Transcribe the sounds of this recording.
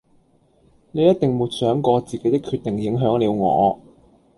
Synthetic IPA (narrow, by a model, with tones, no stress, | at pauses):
ne˨˧jɐ˥t̪̚t̪ɪ˨ŋmuː˨˩t̚sœː˨˥ŋkɔː˧t͡siː˨ke˨˥jt̪ɪ˥kʰːyː˧t̚t̪ɪ˨ŋjɪ˨˥ŋɦœː˨˥ŋliː˨˧wŋɔ̰ː˨˧